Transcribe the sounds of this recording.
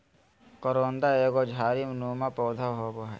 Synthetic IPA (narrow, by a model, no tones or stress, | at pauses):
kɔɾoːnd̪aeːɡod͡ʒʱaːɾimnuːmapɔːd̪ʱaɦoːboɦɛ̰